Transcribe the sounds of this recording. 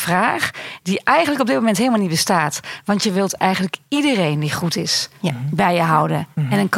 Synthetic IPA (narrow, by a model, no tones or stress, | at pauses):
fraːxdiʔɛjɣəndləkɔbdɪt̚momɛntɦeːlˠmalˠnibəstaːtʋɑntjəʋɪlˠtɛ̰jɣəndləkidərejndiχutɪsbɛjjəɦawdənɛnənk